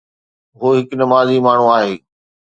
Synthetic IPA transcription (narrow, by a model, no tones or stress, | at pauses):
ɦoːɦɪkʊnɐmaːzimaːɳ̤ũaːɦeː